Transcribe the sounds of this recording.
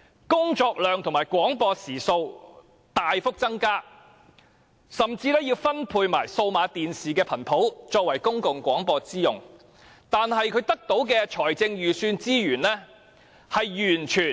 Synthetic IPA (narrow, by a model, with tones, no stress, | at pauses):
kʊ˥ŋt͡ʃɔː˧k̚lœː˨ŋt̪ʰʊ˨˩ŋmaː˨˩jkwɔː˨˥ŋpɔː˧siː˨˩so˧w | t̪aː˨jfʊ˥k̚t͡sɐ˥ŋkaː˥ | sɐ˨mt͡siː˧lɛː˥jiː˧wfɐ˥npʰuː˧jmaː˨˩jso˧wmaː˨˧t̪iː˨nsiː˨kɛː˧pʰɐ˨˩npʰo˨˥wt͡ʃɔː˧kwɐ˨˩jkʊ˥ŋkʊ˨ŋkʷɔː˨˥ŋpɔː˧t͡siː˥jʊ˨ŋ | t̪aː˨nɦɐ˨jkʰɵ˨˧˥t̪ɐ˥k̚t̪o˨˥wkɛː˧t͡ʃʰɔː˨˩jt͡sɪ˧ŋjyː˨syː˧nt͡siː˥jyː˨˩nlɛː˥ | hɐ˨jjyː˨˩nt͡ʃʰyː˨˩